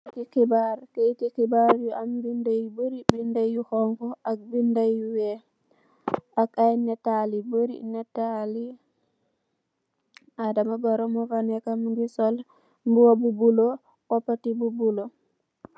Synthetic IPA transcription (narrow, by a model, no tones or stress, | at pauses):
tikibaɾketikibaɾjuʔambindajboɾibindajjuhɔŋkɔʔak̚bindajuwe | akajnɛtaliboɾḭnɛtali | adamaɡɔɾɔmɔvanɛkamŋɡisɔl | mbuwabubulo | kɔpatibubulo